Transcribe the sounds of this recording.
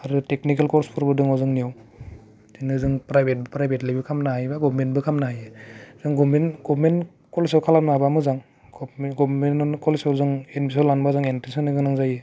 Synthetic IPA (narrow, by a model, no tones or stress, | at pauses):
aɾuteknik̬elkɔɾspʰuɾbɯdɯŋawzɯŋnijaw | ziŋnɯzɯŋpɾajbʱet̚bɯpɾajbʱetlajbɯkʰamnaɦajbaɡɔbment̚bɯkʰamnaɦajez̥ɯŋɡɔbmenɡɔbmen | kɔlesawkʰalap̚naabamɯzaŋ | ɡɔbmɡɔbmennkɔlesawzɯŋenbis̬alanbazaŋentesɔnɯɡɯnaŋzaje